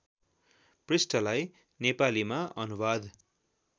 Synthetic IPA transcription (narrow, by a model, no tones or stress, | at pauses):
prisʈʌlaj | nepalimaʔʌnubad̪